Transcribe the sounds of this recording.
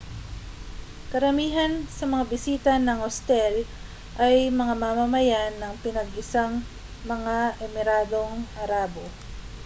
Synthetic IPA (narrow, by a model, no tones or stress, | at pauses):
kɐɾɐmiːɦɐnsɐmɐŋabɪsiːt̪ɐnɐŋhost̪ɛl | ʔɐjmɐŋamamɐmɐjanːɐŋpɪnɐɡɪsaŋ | mɐŋaʔɛmɪɾaːd̪o̞ŋʔɐɾaːbo̞